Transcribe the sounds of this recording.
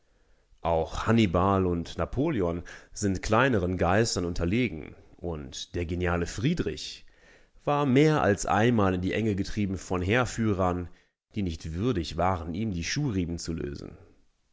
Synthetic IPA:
ʔaʊxhanibalʊntnapʰoːljɔnzɪntkʰl̥aɪnəʁ̞ənɡaɪstɐnʊntʰɐleːɡŋ̩ʔʊntd̥eːɐɡenjaːləfʁ̥iːdʁɪ̰ç | v̥aːɐmeːɐʔa̰lsʔa̰ɪnmaːlɪndiːʔɛŋəɡətʁ̥iːbm̩fɔnɦeːɐfyːʁ̞ɐn | d̥iːnɪçtv̥ʏɐdɪçv̥aːʁəniːmdiːʃuːʁiːbn̩t͡sulø̰ːzn̩

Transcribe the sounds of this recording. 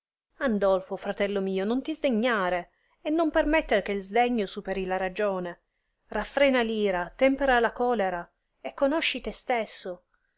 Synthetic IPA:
and̪ɔlfofɾat̪ɛlːomiːonont̪izd̪eɲːaːɾe | enːompermɛt̪ːeɾk̟eilzd̪eɲːosupeɾilaɾad͡ʒoːne | rafːɾɛːnaliːɾat̪ɛmpeɾalakɔːleɾa | ekːonoʃːit̪est̪esːo

